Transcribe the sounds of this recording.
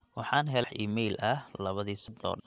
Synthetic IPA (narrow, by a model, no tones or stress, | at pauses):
wɑħɑːnɦɛlħʔḭːmɛjlʔɐhlɐβɐðiːsɐd̪ɔ̰ːɖɐn